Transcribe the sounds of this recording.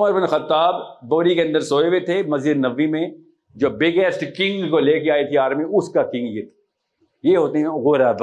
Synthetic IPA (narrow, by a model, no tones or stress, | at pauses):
ɐməɾbɪnxɐt̪ːaːbːoːɾikeɐ̃nd̪əɾsoːeʋet̪ʰemɐzjəd̪nɐʋːimẽ | d͡ʒoːbɪɡesʈkɪ̃ŋɡkoleːkeaːit̪ʰiaːɾmiʊskakɪ̃ŋɡjet̪ʰi̥ | jeɦoːt̪eɦɛ̃ʊɣoːɾaːd̪l